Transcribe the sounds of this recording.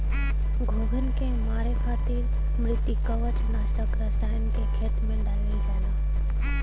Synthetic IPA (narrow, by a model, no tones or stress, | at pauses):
ɡʱoːɡʱənɪ̆kʰẽːmaːɾekʰaːt̪iːɾ | mɾɪt̪ikɐʋət͡ɕnaːsʈəkɾɐsʈaːjənɪ̆kʰeːkʰeːt̪mẽɗaːlə̃d͡ʑaːnaː